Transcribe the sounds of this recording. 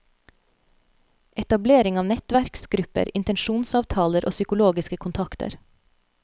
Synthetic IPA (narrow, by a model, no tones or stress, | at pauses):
ʔɛt̪ɑbleːɾɪŋɑːʋnɛt̪ʋæɾksɡɾʉpə̰ɾɪ̰nt̪ɛnʃuːnsɑːʋt̪ʰɑːləɾʔo̰ːsʏkʊloːɡɪskəkʰʊnt̪ʰɑkt̪ə̰ɾ